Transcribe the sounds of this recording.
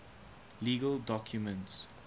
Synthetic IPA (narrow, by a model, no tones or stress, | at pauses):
liːɡəldɔkʰjumə̃nts